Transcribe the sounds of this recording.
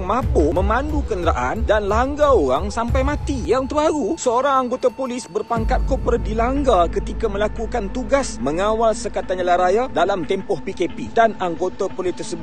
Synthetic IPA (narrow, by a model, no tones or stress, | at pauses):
ŋmãpomə̃mãndukəndəɾaʔandanlaŋɡaoɾaŋsampajmãt̪ijaŋt̪əaɾusəoɾaŋaŋɡot̪apolɪsbərpaŋkat̪̚kopɾadilaŋɡakət̪ikamə̃lakukant̪uɡasməŋawalsəkat̪aɲəlaɾajadalamt̪ɛmpɔhpikepidanaŋɡot̪apolɪst̪ərsəbʊ